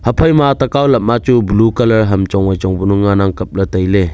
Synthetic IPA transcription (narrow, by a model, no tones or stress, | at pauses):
hɐpʰɐjmatɐkawlɐp̚nat͡ʃubulukɐlɐɾɦɐmt͡ʃɔŋajt͡ʃɔŋbunuŋːanaŋkɐp̚lɐtɐjle